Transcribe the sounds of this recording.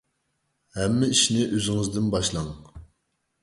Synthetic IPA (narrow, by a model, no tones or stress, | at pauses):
hɛmːɪiʃnɪʔøzɪŋɨzd̪ɪnbɑʃlˠɑŋ